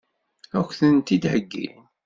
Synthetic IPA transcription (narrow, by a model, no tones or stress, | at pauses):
ækʷːθənt̪id̪həɡːḭ